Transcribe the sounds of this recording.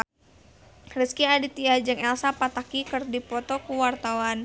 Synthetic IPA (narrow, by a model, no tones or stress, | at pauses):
rəskiadit̪iad͡ʒəŋɛlsapat̪akikɨrdipɔt̪ɔkuwart̪awan